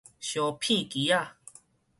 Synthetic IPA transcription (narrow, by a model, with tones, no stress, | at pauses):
ɕɔ˨pʰĩ˥˨ki˨ja˦˨